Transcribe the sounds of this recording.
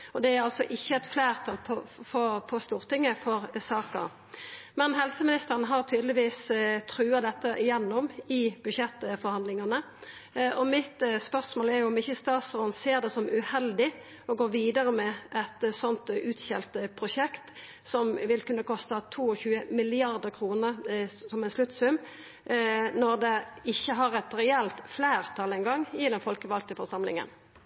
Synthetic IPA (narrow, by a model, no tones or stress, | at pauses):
ɔd̪ɛæɾɑlt̪sɔʔɪçːəɛt̪flæːʁt̪ʰɑlpʰɔfɔpʰɔst̪uːʁt̪ʰɪŋːəfɔʁsɑːkə̰ɾ | mɛnɦɛlsəmɪnɪst̪əʁənəɦɑʁt̪ʰyːd̪lɪʋiːst̪ʰɾʉːɑd̪ɛt̪ːəʔɪjɛnːɔmɪbʉd̪ʃɛt̪ːfɔɾhɑnd̪lɪŋɑnə | ɔmɪt̪spœʁsmoːlæɾjʊɔmɪçːəst̪ɑːt̪sɔɾnseːʁd̪ɛsɔmʉhɛld̪ɪ | ɔɡoːʋiːd̪əɾəmɛʔɛt̪sɔnt̪ʉːt̪çɛlt̪əpʰʁʊʂɛkt̪ | sɔmʋɪlkʉnːəkʰɔst̪ət̪ʰuːɔçʉːəmɪlɪɑɾd̪əɾkʰʁuːnəɾsɔmænslʉt̪sʉm | nɔɾd̪ɛɪçːəɦɑɾɛt̪ɾɛɛlt̪fleːɾt̪ʰɑlɛŋɡɑŋːɪd̪ɛnfɔlkəʋɑlt̪əfɔʁsɑmlɪ̰ŋə̰n